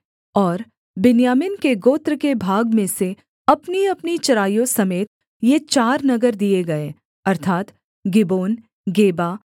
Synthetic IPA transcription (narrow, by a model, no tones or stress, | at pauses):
ɔːɾ | bɪnjaːmɪnkeɡoːt̪ɾkebʱaːɡmẽse | ɐpniɐpnit͡ʃɐɾaːjõsɐmeːt̪ | jet͡ʃaːɾnɐɡəɾd̪ieɡɐeː | ɐɾt̪ʰaːt̪ | ɡɪboːn | ɡeːba